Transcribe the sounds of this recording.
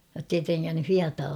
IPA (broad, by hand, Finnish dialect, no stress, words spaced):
jotːei treŋːænːy hiɑtɑː